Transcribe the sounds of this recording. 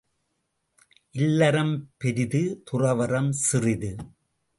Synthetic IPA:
ʔɪlːɐɾɐmpɛɾɪðɯt̪ʊrɐʋɐɾɐmsɪrɪðɯ

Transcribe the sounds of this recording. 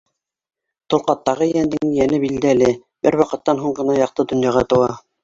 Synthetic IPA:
t̪ŏlˠqɑt̪ːɑʁɤjænd̪ɘŋijænɘbild̪ælɘ | b̥ɘ̰ɾwɑqɤ̆t̪ːɑnɦuɴɢɤ̆nɑjɑq̚t̪ɤd̪ŏnjɑʁɑt̪ɤ̆wɑ

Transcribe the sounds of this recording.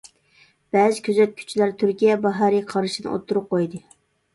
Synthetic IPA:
b̥ɛzɪkʲʰøzɛt̪̚kʲʰy̥t͡ʃʰilæɾt̪ʰyɾkʲijɛbɑɦɑɾiqʰɑɾɨʃinɨ̰ʔo̰t̪ʰːuɾʊp̚qojd̪ɨ

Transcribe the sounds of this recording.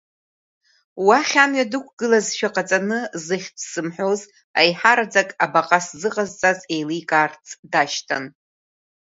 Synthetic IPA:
waχʲamɥadɨkʷʰɡ̥ɨlazʃᶣaqʼat͡sʼanɨzɨχʲpʰsɨmħʷᶣoz | a̰jħaɾad͡zakʼabaqʼaszɨqʼazt͡sʼaze̞jlijkʼaːrt͡sʰʼdaʃtʰa̰n

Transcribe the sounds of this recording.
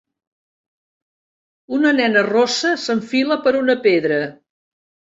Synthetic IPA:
unənɛnərosəsəɱfiləpəɾunəpeðɾə

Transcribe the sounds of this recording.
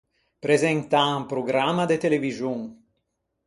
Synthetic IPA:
pɾezɛnt̪aampɾoɡɾamad̪et̪elevizjuŋ

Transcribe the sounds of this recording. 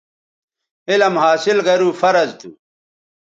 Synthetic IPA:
ilɐmɦaːsilɡɐɾuːfɐɾɐzt̪ʰṵ

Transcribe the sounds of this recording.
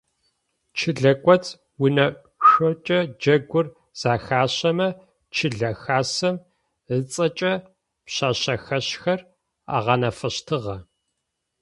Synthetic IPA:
t͡ʃʰɪɮɐkʷʼɔt͡s | wʊnɐ | ʃʷɔt͡ʃʼɐd͡ʒɐɡʷʊr | z̥aːxaːɕɐmɐ | t͡ʃʰɪɮɐxaːsɐm | ɨt͡sʼɐt͡ʃʼɐ | pɕaːɕɐxɐɕxɐr | a̰ːʁɑnɐfɐɕtʰɨʁɐ

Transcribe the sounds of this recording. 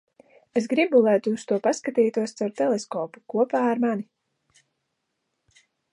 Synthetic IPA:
es̬ɡɾibulˠajt̪uːst̪uɔpaskat̪iːt̪uɔst̪sawɾt̪ɛlˠeskɔːpu̥kuɔpaːaɾmani

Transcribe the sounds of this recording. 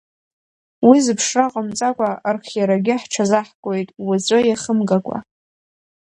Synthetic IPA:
wizɨpʰʂraqʼəmt͡sʼakʷʼarχʲjaɾaɡʲɪħʈ͡ʂʰazaħkʷʼo̞jtʼwazʷʼojaχəmɡakʷʼa̰

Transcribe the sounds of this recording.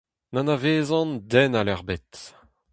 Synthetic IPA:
nanaveːzɑ̃ndɛnalɛʁbet̪

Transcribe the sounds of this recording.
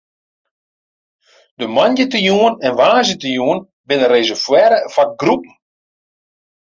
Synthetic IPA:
dəmanjətəjuənɛnʋaːzjətəjuən | bɪnəreːzəfwɛɾəfak̚ɡrup̚n̩

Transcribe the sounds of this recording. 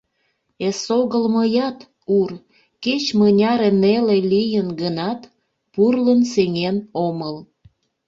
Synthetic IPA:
esoɣəlməjɑt̪ | ur | ket͡ɕmənʲɑɾenelelijənɡənɑt̪ | purlənseŋenoməl

